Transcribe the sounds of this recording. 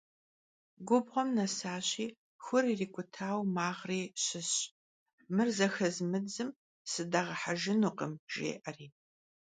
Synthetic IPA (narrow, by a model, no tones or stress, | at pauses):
ɡʷʊbʁʷɔmnɐsaːɕiː | xʷʊriːriːkʷʰʼʊtʰaːwmaːʁriːɕɪɕ | mɨrzɐxɐzmɨd͡zɨm | sɨdaʁɐħaʒɪnuːqʼəmʒ̥ḛːʔɐriː